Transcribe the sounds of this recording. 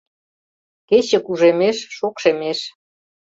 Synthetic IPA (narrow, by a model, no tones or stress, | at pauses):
ket͡ɕə̆kuʒemeʃːokʃemeʃ